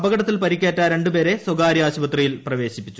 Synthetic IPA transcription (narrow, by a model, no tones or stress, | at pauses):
ɐbɐɡɐɽɐt̪ːilpɐɾikʲːeːtːaːɾe̞ɳɖupe̞ːɾe̞swoɡaːɾijaːɕubɐt̪rijilprɐʋe̞ːɕipːit͡ɕːu